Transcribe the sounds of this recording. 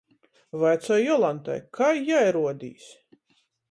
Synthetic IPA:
vajt̪sɔjɔlˠant̪a̰jkʰajjajɾuɔd̪ḭːs

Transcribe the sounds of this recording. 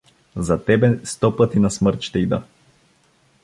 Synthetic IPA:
zat̪ɛbɛst̪ɔpət̪inasməɾt̪ʃt̪ɛid̪ɐ

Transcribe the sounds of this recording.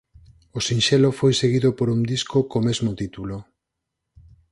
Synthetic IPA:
osinʃelofojseɣiðopoɾund̪iskokomezmot̪it̪ulo

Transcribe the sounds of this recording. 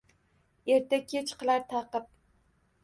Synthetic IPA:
eɾt̪ʰakʲʰet͡ʃqʰɨlˠaɾt̪ʰɑqɨp̚

